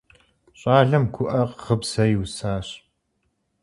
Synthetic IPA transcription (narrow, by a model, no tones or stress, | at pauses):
ɕʼaːɮɐmɡʷʰʊʔɐqʁəbsɐjwsaːɕ